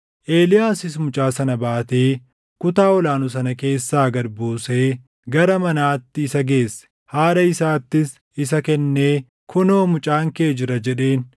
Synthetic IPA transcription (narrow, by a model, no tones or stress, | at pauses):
ʔe̞ːlɪjaːsɪsmʊt͡ʃʼaːsɐnɐbaːt̪e̞ː | kʊt̪aːɔlaːnʊsɐnɐke̞ːsːaːɡɐɾbuːse̞ː | ɡɐɾɐmɐnaːt̪ːɪːsɐɡe̞ːsːɛ̥ | haːɾɐɪsaːt̪ːɪs | ɪsɐkɛnːe̞ː | kʰʊno̞ːmʊt͡ʃʼaːŋke̞ːd͡ʒɪɾɐd͡ʒɛᶑe̞ːn